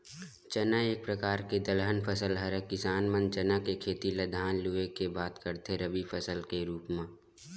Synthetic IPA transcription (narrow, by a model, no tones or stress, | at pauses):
t͡ʃənaeːk̚pɾəkaːɾked̪əlɦənpʰəsəlɦəɾəkɪsaːnmə̃nt͡ʃənakekʰeːt̪iləd̪ʱaːnluekebaːt̪kəɾt̪eɾəbipʰəsəlkeɾuːpmãː